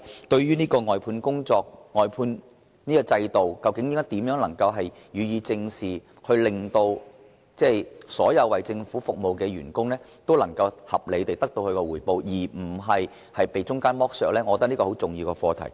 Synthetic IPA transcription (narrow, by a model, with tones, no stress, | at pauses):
t̪ɵ˧ɥɥyː˥niː˥kɔː˧ŋɔː˨jpʰuː˧nkʊ˥ŋt͡sɔː˧k̚ŋɔː˨jpʰuː˧n | niː˥kɔ˧t͡sɐ˧jt̪o˨wkɐ˧wkɪ˨˥ŋni˥ŋkɔː˥jt̪iː˨˥mjœː˨˥ŋlɐ˨˩ŋkɐ˧wɦɐ˨j | jyː˨˧jiː˨˧t͡sɪ˧ŋsiː˨˩ | hʰɵ˧ɥlɪ˨ŋt̪o˧w | t͡sɛː˥˩jsɔː˨˥jɐ˨˧wwɐ˨˩jt͡sɪ˧ŋfuː˨˥fʊ˨k̚mo˨wkɛː˧ɥyː˨˩nkʊ˥ŋlɛː˥ | t̪o˥wlɐ˨˩ŋkɐ˧whɐ˨p̚le˨˧t̪e˨jt̪ɐ˥k̚t̪o˧wkɵ˨˧kɔ˧wuː˨˩jpo˨˧wjiː˨˩m̩˨˩ɦɐ˨j | hɐ˨jpe˨jt͡ʃʊ˥ŋkaː˥nmɔː˥k̚sœː˨˩k̚lɛː˥ŋɔ˧kɔ˧t̪ɐ˥niː˥kɔː˧ho˨˥wt͡sʊ˨ŋjiː˧wkɛ˧fɔː˧t̪ʰɐ̰˨˩j